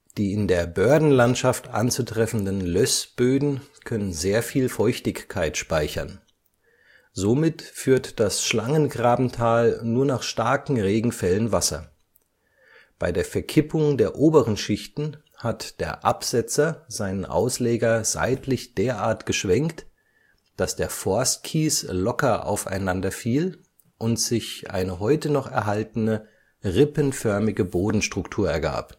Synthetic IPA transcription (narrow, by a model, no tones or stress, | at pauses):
d̥iːɪndeːɐbœɐdn̩lantʃaftʔa̰nt͡sutʁ̥ɛfn̩dənlœsb̥øːdn̩kʰœnənzeːɐfiːlfɔʏçtɪçkʰːaɪtʃpaɪçɐn | zomɪtfyːɐtd̥asʃlaŋənɡʁaːbm̩tʰaːlnuːɐnaːχʃtaɐkŋ̩ʁeːɡŋ̩fɛlənvasɐ̰ | b̥aɪdeːɐfɛɐkʰɪpʰʊŋdeːɐʔoːbəʁənʃɪçtn̩ | hatd̥eːɐʔa̰pz̥ɛt͡sɐz̥aɪnənʔa̰ʊsleːɡɐza̰ɪtʰlɪçd̥eːɐʔaːɐtɡ̥əʃv̥ɛŋkt | d̥asd̥eːɐfɔɐst̚kʰiːslɔkɐʔa̰ʊfa̰ɪnandɐfiːl | ʔʊntz̥ɪçʔa̰ɪnəɦɔʏtənɔχɛ̰ɐɦaltənə | ʁɪpənfœɐmɪɡəboːdn̩ʃtʁ̥ʊktʰuːɐɛɐɡa̰ːp